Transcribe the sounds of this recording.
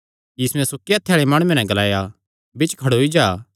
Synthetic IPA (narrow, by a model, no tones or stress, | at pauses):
jiːsuɛ̃sʊkːijat̪ʰːjaːɭemãːɽ̃uẽnɛ̃ɡɐlaːja | bɪt͡ʃkʰɐɽoɦid͡ʒaː